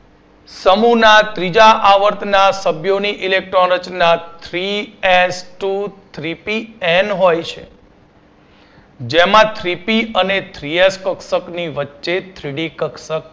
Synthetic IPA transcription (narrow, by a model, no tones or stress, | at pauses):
səmunat̪ɾid͡ʒaʔaʋəɾt̪ʰnasəbʱjoniʔilek̚ʈɾoɾət͡ʃnat̪ʰɾiesʈut̪ʰɾipiɛnɦojt͡ʃʰḛ | d͡ʒemãt̪ʰɾipiənet̪ʰɾieskəksəkniʋətːʃet̪ʰɾiɽikəksək̚